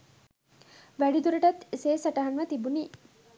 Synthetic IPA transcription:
ʋæɖid̪uɾɐʈɐt̪eseːsɐʈɐɦɐnʋət̪ibuniː

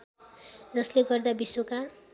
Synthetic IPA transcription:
d͡zʌsleɡʌrd̪abiswoka

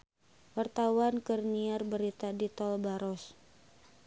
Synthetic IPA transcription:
wart̪awankərniarbəɾit̪adit̪ɔlbaɾɔs

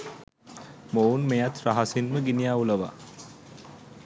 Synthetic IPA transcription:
mounmejat̪ɾaɦasinməɡinijaːuləʋa̰

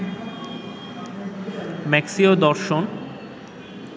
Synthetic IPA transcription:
mɛksiod̪ɔɾʃon

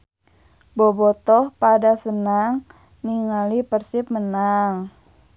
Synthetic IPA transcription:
bɔbɔt̪ɔpadasənaŋ | niŋalipərsɪp̚mənaŋ

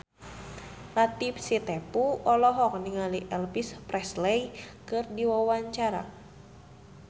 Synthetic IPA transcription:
lat̪ip̚sit̪ɛpuɔlɔɦɔk̚niŋaliʔɛlpisprɛslɛikɨrdiwawaɲt͡ʃaɾa̰

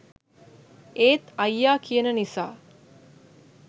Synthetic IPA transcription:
eːt̪ɐjːaːkijənənisa̰ː

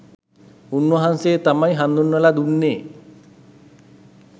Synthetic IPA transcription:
unwɐɦanseːt̪amajɦand̪unːɐlad̪unːeː

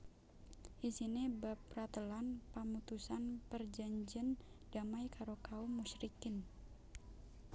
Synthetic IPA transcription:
ʔisinibap̚rat̪əlanpamut̪usanpərd͡ʒaɲd͡ʒənd̥amajkaɾokaumːusɾikɪn

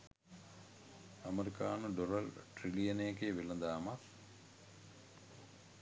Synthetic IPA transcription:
ɐmeɾikaːnəɖoɾɐlʈrilijɐneekeːʋelɐd̪aːmak

